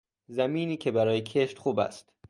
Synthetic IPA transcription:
zæmiːniːcʰebæɾɒːjecʰeʃt̪xuːbæ̰st̪

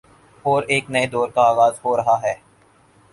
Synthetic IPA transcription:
ɔːɾeːknɐed̪ɔːɾkaaːɣaːzɦoːɾɐɦaɦɛː

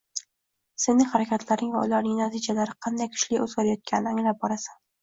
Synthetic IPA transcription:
senɪŋχaɾakʲʰat̪ʰlaɾnɪŋvaʊlaɾnɪŋnat̪ʰid͡ʒalaɾɪqʰɑnd̪ajkʰʊ̥ʃlɪɵzɡʲaɾajɒt̪̚kʲʰanɪnaŋlap̚bɒɾasḁn

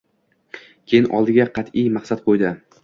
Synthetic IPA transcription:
kʲʰejɪnʔɒ̰lˠd̪ɪɡʲaqʰɑt̪ʰɪjmɑqsat̪̚qʰojd̪ɪ

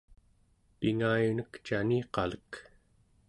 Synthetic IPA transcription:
piŋaːjunəkt͡ʃaniqɑlək

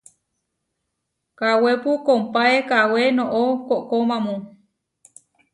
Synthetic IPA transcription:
kawepukompaekawenõʔokoʔkomãmũ

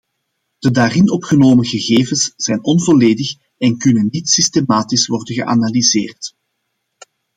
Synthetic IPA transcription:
d̥ədaːrɪnɔpxənoːməɣəɣeːvənsz̥ɛjnɔnvoleːdəx | ɛnkʏnənːitsistemaːtisʋɔrdənɣəʔa̰nalizḛːrt

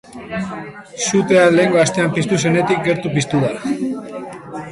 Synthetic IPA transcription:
sut̪e̞ale̞ːŋɡo̞ast̪e̞ampist̪us̬e̞ne̞t̪ik̚ɡe̞ɾt̪upist̪uða

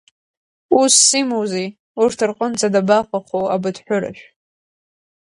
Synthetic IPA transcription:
usːimowzej | urtʰɨrqʼənt͡sʼadabaqʷʼaχowabɨdħʷᶣʊɾa̰ʃʷᶣ

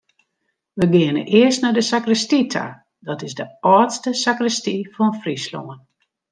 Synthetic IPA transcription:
ʋəɡɪənə̰ʔɪəstnadəsakrəstitʰa̰ | dɔtɪzdəɔːtstəsakrəstifɔnfrislo̰ən

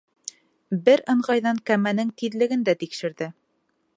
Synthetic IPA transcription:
bɘɾɤ̆ɴʁɑjðɑŋkæmænɘŋt̪iðlɘ̆ɡɘnd̪æt̪ikʃɘ̆ɾðɘ

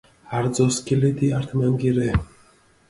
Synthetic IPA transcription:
aɾzɔskilid̪iaɾt̪ʰmaŋɡiɾɛ

